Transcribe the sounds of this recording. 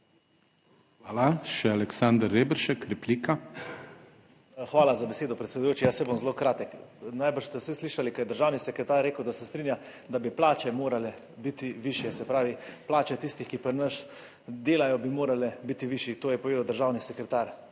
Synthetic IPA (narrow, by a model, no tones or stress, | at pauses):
xʋaːlaʃɛalɛksand̪əɾːebɾʃɛkɾɛpliːka | xʋaːlazabeɛseːd̪ɔpɾɛt̪sʲɛd̪ujoːt͡ʃijasɛbomzlokɾaːt̪ɛknajbəɾʃst̪ɛwsisliʃalikɐjɛd̪əɾʒaːwnisɛkɾɛt̪aːɾːeːkəwd̪asɛst̪ɾinjad̪abiplaːt͡ʃɛmoːɾalɛ | bit̪iʋiʃjɛsɛpɾaːʋiplaːt͡ʃɛt̪ist̪ixkipəɾnəs | d̪eːlajɔbimoːɾalɛbit̪iʋiʃit̪oːjɛpoɔʋeːd̪awd̪əɾʒaːwnisɛkɾɛt̪aːɾ